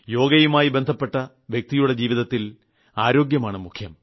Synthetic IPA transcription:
jo̞ːɡɐjumaːjibe̞nd̪ʱɐpːe̞ʈːɐ | ʋjek̚t̪ijuɽe̞d͡ʑiːʋiðɐt̪ːil | aːɾo̞ːɡjɐmaːɳɨmukʰjɐm

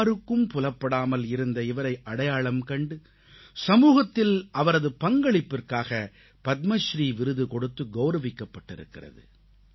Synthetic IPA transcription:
ɾɯkːɯmpʊlɐpːɐɽaːmɐlɪɾɯnd̪ɐɪʋɐɾɐɪʔɐɽɐjaːɭɐmkɐɳɖɯ | sɐmuːɣɐt̪ːɪlʔɐʋɐɾɐðɯpɐŋɡɐɭɪpːɪrkaːɣɐ | pɐt̪̚mɐʃɾiːʋɪɾɯðɯkɔɽɯt̪ːɯɡɐʊɾɐʋɪkːɐpːɐʈːɪ̰ɾɯ̰kːɪ̰rɐ̰ðɯ̰

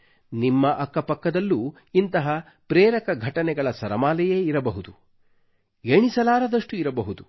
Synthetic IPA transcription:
nimːɐʔɐkːɐpɐkːɐd̪ɐlːuː | int̪ɐɦɐ | pɾeːɾɐkɐɡʱɐʈɐnɛɡɐɭɐsɐɾɐmaːlɛjeːiɾɐbɐɦud̪u | eɳisɐlaːɾɐd̪ɐʂʈuiɾɐbɐɦud̪u

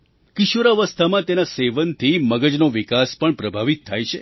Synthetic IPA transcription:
kiʃoɾaʋəst̪ʰamãt̪enaseʋənt̪ʰiməɡəd͡ʒnoʋikaspəɳpɾəbʱaʋit̪ʰːajt͡ʃʰe

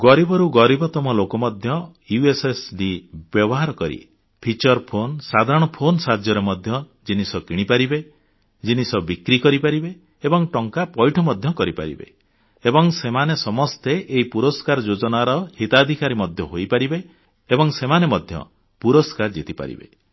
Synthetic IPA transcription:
ɡɔɾibɔɾuɡɔɾibɔt̪ɔmɔlokɔmɔd̪ʱjɔjuesesɖibjɔbɔɦaɾɔkɔɾḭ | pʰit͡ʃɔɾpʰonsad̪ʱaɾɔɽ̃ɔpʰonsad͡ʒjɔɾemɔd̪ʱjɔ | d͡ʒinisɔkiɽ̃ipaɾibe | d͡ʒinisɔbikɾikɔɾipaɾibeː | bɔŋʈɔŋkapɔjʈʰɔmɔd̪ʱjɔkɔɾipa̰ɾḭbḛ | ebɔŋsemanesɔmɔst̪eʔeɦipuɾɔskaɾɔd͡ʒod͡ʒɔnaɾɔhit̪ad̪ʱikaɾimɔd̪ʱjɔɦojpaɾibeː | bɔŋsemanemɔd̪ʱjɔ̰ | puɾɔskaɾd͡ʒit̪ipa̰ɾḭbḛ

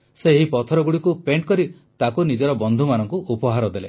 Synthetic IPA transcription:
seɦipɔt̪ʰɔɾɔɡuɽikupeɳʈ̚kɔɾi | t̪akunid͡ʒɔɾɔbɔnd̪ʱumanɔŋkuʔupɔɦaɾɔd̪ele

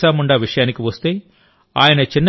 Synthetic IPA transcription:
aːmuɳɖaːʋiʂɐjaːnikiʋɐst̪e̞ː | a̰ːjɐnɐt͡ʃinː

